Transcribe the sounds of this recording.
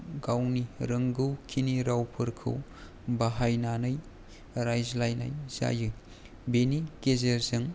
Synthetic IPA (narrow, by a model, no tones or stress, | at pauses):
ɡawniɾɐŋɡɯwkʰiniɾawpʰɯɾkʰɯ̰w | baɦajnanɯj | ɾajzlajna̰jz̥a̰jɯ | benikezeɾzɯŋ